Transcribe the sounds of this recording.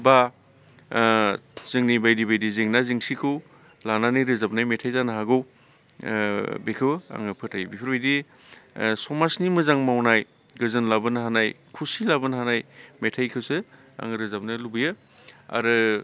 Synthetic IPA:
ba | z̥ɯŋnibajdibajdizeŋnaziŋsikʰɯw | lananɯjɾɯzap̚najmetʰajzanaɦaɡɯw | bekʰɯwa̰ŋɯpʰɯtʰajbipʰɯɾbajdi | sɔmasnimɯzaŋmawnaj | ɡɯzɯnlabɯnɦanaj | kʰusilabɯnɦanajmetʰajkʰɯwse | a̰ŋɾɯzap̚najlubɯjɯ | a̰ɾɯ

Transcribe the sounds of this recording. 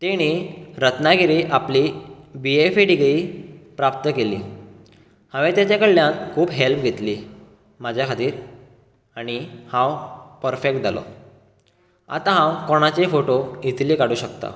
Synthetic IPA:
t̪eɽ̃iɾət̪naɡiɾiʔaplibiefeʈiɡɭiːpɾap̚t̪əkelḭː | hãʋet̪jat͡ɕakəɭljãnkʰuːbɦelp̚ɡʱet̪liː | mad͡ʑʱjakʰat̪iːɾ | aɽ̃ihãwpəɾfek̚ʈ̚d͡zʱa̰lo̰ | a̰t̪ãɦãwkoɽ̃at͡ɕefoʈoit̪liːkaɽuːɕəkt̪a̰

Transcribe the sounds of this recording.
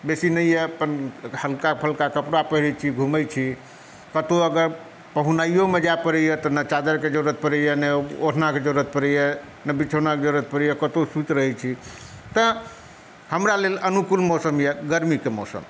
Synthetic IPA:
besinəijɛpənhəlkapʰəlkakəpɾapəɦiɾɛt͡ʃʰiɡʱuməjt͡ʃʰi | kət̪oəɡəɾ | pəɦunaijomed͡ʒapəɾɛjɛt̪ɔnət͡ʃad̪əɾked͡ʒəɾuɾət̪̚pəɾəjɛnəotʰnaked͡ʒəɾɾət̪̚pəɾɛjɛ | nəbit͡ʃʰənaked͡ʒəuɾət̪̚pəɾɛjɛkət̪osut̪ɾəɦɛt͡ʃʰi | t̪ə | həmɾalelənukulmɔsəmjɛɡəɾmikemɔ̰sə̰m

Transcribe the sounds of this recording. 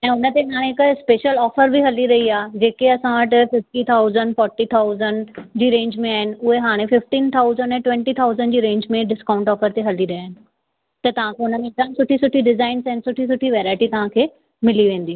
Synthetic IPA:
ɛ̃ːʊnə̆t̪eɦaːɽ̃ẽɦkspeːʃəlɔːfəɾbʱiɦɐliɾɐɦiaːd͡ʑeːkeɐsãʋəʈɪ̆fɪfʈit̪ʰaːʊzəɳɖfɔːɾʈit̪ʰaːʊzənɖd͡ʑiːɾẽːɲd͡ʑmẽaːɦɪnɪ̆ʊɦeɦaːɽ̃ẽfɪfʈiːnt̪ʰaːʊzəɳɖɛ̃ːʈʋɛ̃ɳʈit̪ʰaːʊzənɖd͡ʑiːɾẽːɲd͡ʑmẽɖɪskaːʊ̃ɳʈɔːfəɾt̪eɦɐliɾɐaːɦɪnɪ̆ | t̪ɐt̪ɐʋ̤ãkʰeʊnəmẽtansʊʈʰisʊʈʰiɖɪzaːɪnsɛɦɪnɪsʊʈʰisʊʈʰiʋɛːɾaːɪʈit̪ɐʋ̤ãkʰeː | mɪliʋẽːnd̪iː

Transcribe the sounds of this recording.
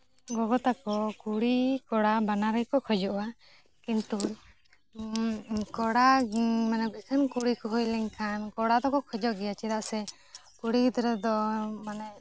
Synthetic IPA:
ɡɔɡɔt̪akɔkuɽikɔɽabanaɾɛjkɔkʰɔd͡ʒɔʔwa | kint̪u | kɔɽamanɛbisʰinkuɽikɔɦɔjlɛɲkʰankɔɽad̪ɔkɔkʰɔd͡ʒɔʔɡɛjat͡ʃɛɾaʔsɛ | kuɽikit̪ɾɛd̪ɔmanɛ

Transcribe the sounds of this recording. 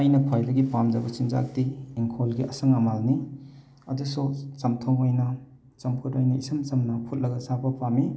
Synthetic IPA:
ajnɐkʰwajdɐɡipamd͡ʒɐbɐsinza̰k̚diːŋkʰolɡiʔɐsɐŋamalni | ɐ̰dusut͡ʃɐmtʰoŋojnɐ | t͡ʃɐmpʰutajnɐisɯmt͡ʃɐmnɐpʰut̚lɐɡɐsabɐpami

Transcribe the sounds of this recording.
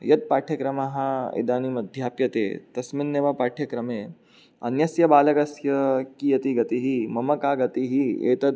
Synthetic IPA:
jɐt̪̚paːʈʰjɐkɾɐmaɦaḛd̪aːnimɐd̪ʱjaːpjɐt̪ḛːt̪ɐsminːeʋapaːʈʰjɐkɾɐmeː | ɐ̰njɐsjɐbaːlɐkɐsjɐkijɐt̪iɡɐt̪iɦimɐmɐkaːɡɐt̪iɦiḛːt̪ɐd̪

